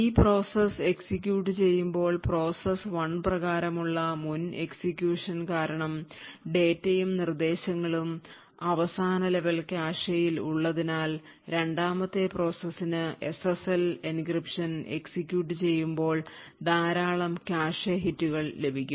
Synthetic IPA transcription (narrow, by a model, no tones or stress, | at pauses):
iːpro̞ːsese̞ksikʲːjuːʈːɨt͡ɕe̞jːumbo̞ːɭpro̞ːsɐsʋɐɳprɐɣaːɾɐmuɭːɐmune̞ksikʲjuːʂɐnkaːɾɐɳɐmɖe̞ːtːejumnird̪e̞ːɕɐŋːɐɭum | ɐʋɐsaːnɐleʋɐlkaːʂɐjiluɭːɐðinaːl | ɾe̞ɳɖaːmɐt̪ːe̞pro̞ːsɐsːinɨe̞sesɐlinkripʂɐne̞̰ksikʲjuːʈ̬ːɨt͡ɕe̞jːumbo̞ːɭd̪aːɾaːɭɐmkaːʂeɦitːuɣɐɭle̞bʱikʲːumm